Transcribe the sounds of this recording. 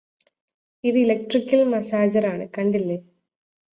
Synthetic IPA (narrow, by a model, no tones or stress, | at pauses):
iðɨilɐk̚ʈrikʲːɐlmɐsaːd͡ʑɐɾaːɳɨkɐɳɖilːe